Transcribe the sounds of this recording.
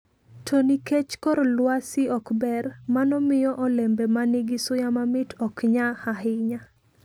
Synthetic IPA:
tʰoniket͡ʃkɔɾlwasɪɔkbɛrmanɔmɪjɔʔɔlɛmbɛmanɪɡɪsʊjamamɪtʰɔkɲahaɦɪɲa

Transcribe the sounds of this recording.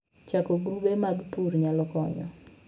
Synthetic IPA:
t͡ʃakɔɡɾubemaɡpurɲalɔkɔɲɔ̰

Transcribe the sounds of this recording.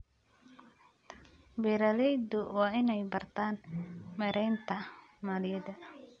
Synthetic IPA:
bɛɾɐlɛjd̪ʊwɑːɪnɛjbɐrt̪ʰaːnmɛɾɛjnt̪ʰɐmaːlɪjɛd̪ɐ

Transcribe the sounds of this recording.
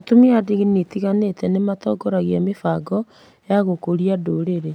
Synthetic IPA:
atomiadiɣinitiɣanetɛnematɔɡɔɾaɣiamefaɡɔ | jaɣokoɾiadoːɾeɾe

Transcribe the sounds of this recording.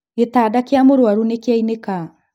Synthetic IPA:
etaːdakeamoɾwaɾunekeaineka

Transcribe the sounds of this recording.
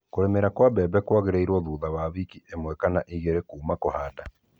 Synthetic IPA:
koɾemeɾakwabɛbɛkwaɣeɾeiɾwɔðuːðawaβikiʔemwɛkanaʔiɣeɾekuːmakohaːda

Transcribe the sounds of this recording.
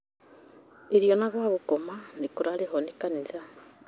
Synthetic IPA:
iɾjo̞naɣwaβukomanikuɾalehonikaniza

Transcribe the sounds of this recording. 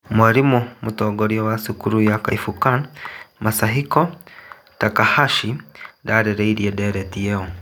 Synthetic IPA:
mwaɾimumutɔɡɔɾiɔwasukuɾujaka̰ifukanmasaɦikɔ | takahaʃidaɾɛɾɛiɾiɛdɛɾɛtijɛɔ

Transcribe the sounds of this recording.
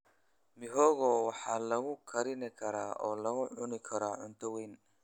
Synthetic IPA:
mɪɦɔːɣɔːwɑħɑːlɐɣʊkʰɐɾɪnɪkʰɐɾaːʔɔːlɐɣʊʕʊnɪkʰɐɾaːʕʊnt̪ʰɐwɛjn

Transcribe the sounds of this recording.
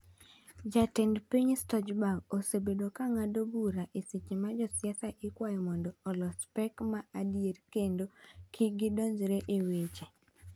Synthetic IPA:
d͡ʒatɛndpiɲstɔd͡ʒbaɡosebedokaŋadobuɾaʔesit͡ʃimad͡ʒɔsjɛsaʔɪkwajɔmɔndɔːlɔspɛkmaadijeɾkendokʰɪɡɪdoɲd͡ʒɾeʔewet͡ʃe

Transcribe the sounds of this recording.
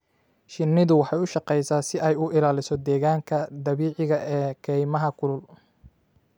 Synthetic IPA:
ʃɪnːɪðʊwɑħɑjʊʃɑqɛjsaːsɪʔɛjʊʔɪlaːlɪsɔd̪ɛːɣaːŋkʰɐd̪ɐβiːʕɪɣɐʔɛːkʰɛjmɐɦɐkʰʊlʊl

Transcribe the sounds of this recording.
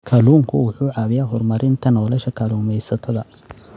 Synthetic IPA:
kʰaːluːŋkʰʊwʊħuːʕɑːβɪjaːɦɔrmɐɾɪnt̪ʰɐnɔːlɛʃɐkʰaːluːmɛjsɐt̪ʰɐðɐ

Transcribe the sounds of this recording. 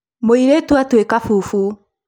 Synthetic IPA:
moiɾetwatwekafufu

